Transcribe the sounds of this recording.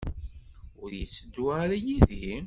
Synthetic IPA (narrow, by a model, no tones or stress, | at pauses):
ʊɾjət͡sːəd̪ːuʕaɾæjiði